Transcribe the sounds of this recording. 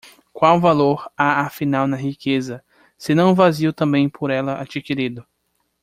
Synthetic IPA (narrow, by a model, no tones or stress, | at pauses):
kwawvaloɾaafinawnɐɦikezɐ | sɪnɐ̃w̃vaziʊt̪ɐ̃bẽj̃pʰoɾɛlɐʔa̰d͡ʒikiɾid̪ʊ